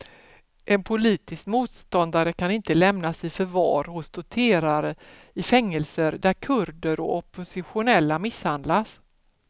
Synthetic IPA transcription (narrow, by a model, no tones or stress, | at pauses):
ʔɛnpʰʊliːt̪ɪskmuːt̪st̪ɔnd̪aɾəkʰanɪnt̪əlɛmnasɪjfœɾvɑ̰ːɾhʊsd̪ʊt̪ʰeːɾaɾə | ɪfɛŋːəlsəɾd̪æɾkʰɵɾd̪əɾɔ̰ʔɔpʊsɪɧʊnɛlːamɪshand̪las